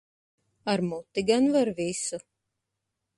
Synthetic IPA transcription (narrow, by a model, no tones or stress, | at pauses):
aɾmut̪ːiɡanvaɾvisu